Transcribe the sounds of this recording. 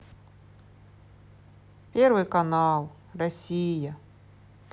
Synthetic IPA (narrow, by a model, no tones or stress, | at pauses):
pʲervɨjkɐnɑlˠ | rɐsʲijə